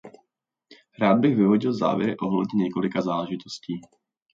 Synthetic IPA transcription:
ɾaːd̪̚bɪɣvɪɦoɟɪlza̰ːvjɛ̰ɾɪ̰ʔo̞ɦlɛdɲɛɲɛko̞lɪkazaːlɛʒɪt̪osciː

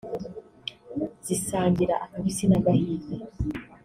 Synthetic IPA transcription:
z̥isaːɲɡiɾaʔakamisinaɡahiːze

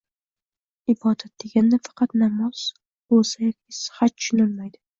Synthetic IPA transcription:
ɪbɒd̪at̪̚d̪̥e̞ɡʲand̪afɑ̥qʰɑt̪namɒz̥ | bolsajɒkʲʰisɨ̥hat̪̚t͡ʃʰːʃʊnɪlmajd̪ɪ

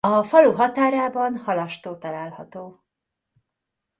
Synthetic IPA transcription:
ɒfɒluɦɒt̪aːɾaːbɒnhɒlɒʃt̪oːt̪ɒlaːlhɒt̪oː

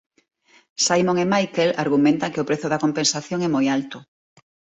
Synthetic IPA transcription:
sajmõŋemajkelaɾɣumẽnt̪ɐkɪʊpɾeθʊðɐkompẽnsaθjoŋɛmojalt̪ʊ

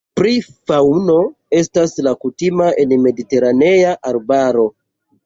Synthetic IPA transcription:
pɾifawno̞ | e̞staslakutimaʔe̞nme̞dite̞ɾane̞jaʔaɾbaɾo̞

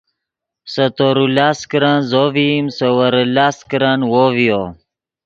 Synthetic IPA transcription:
sɐt̪oɾulaːskɾanzovimsəwɐɾəlaːskɾanwovijo

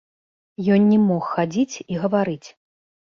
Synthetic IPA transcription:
jɔnnʲɛmɔxːad͡zʲit͡sʲiɣɐvaɾɨt͡sʲ

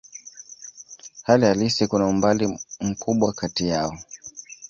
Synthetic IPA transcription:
halihalisikunaumbalim̩kuɓwakatijaɔ

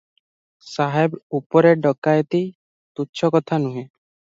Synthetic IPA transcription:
saɦebupɔɾeɖɔkajt̪i | t̪utːʃʰɔkɔt̪ʰanuɦẽ

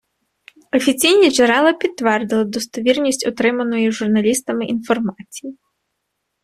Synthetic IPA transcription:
ɔfʲit͡sʲijnʲiʒɛɾɛlˠɐpʲit̪ːʋɛrd̪ɪlˠɐd̪ɔst̪ɔʋʲirnʲisʲt͡sʲɔt̪ɾɪmɐnʊjuʒurnɐlʲist̪ɐmɪʔin̪fɔrmat͡sʲi̥ji

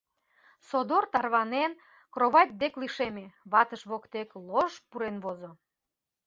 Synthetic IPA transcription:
sod̪ort̪ɑrβɑnen | kroβɑt̪̚ʲd̪ekliʃemeβɑt̪əʃβokt̪ekloʃpuɾenβozo

